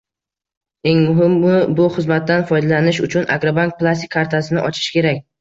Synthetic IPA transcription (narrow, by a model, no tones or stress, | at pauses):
e̞ŋmʊɦɪmːʊbʊχɨzmat̪ːanfɒjd̪alanɪʃʊt͡ʃʰʊna̰ɡɾobank̚plˠast̪ɪkʲʰːaɾt̪ʰasɪnɪʔɒt͡ʃʰɪ̥ʃkʲe̞ɾakʲ